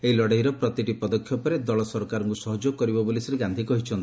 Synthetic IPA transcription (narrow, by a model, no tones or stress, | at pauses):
eɦilɔɽajɾɔpɾɔt̪iʈipɔd̪ɔkʰːjɔpɔɾed̪ɔɭɔsɔɾkaɾɔŋkusɔɦɔd͡ʒokɔɾibɔbolisɔɾeɡand̪ʱikɔɦit͡ʃʰɔnt̪i̥